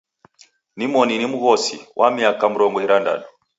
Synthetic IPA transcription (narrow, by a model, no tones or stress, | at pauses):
nimɔninimuɣɔsiwʔamiakamuɾɔŋɡɔiɾanda̰nɔ